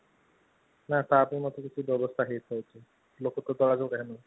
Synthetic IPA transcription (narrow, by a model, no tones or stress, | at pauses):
nat̪apnimɔt̪okit͡ɕʰubɔbost̪ʰaɦet̪oet͡ɕʰe | lokot̪od̪ɔɾad͡ʑoɡɛɦeno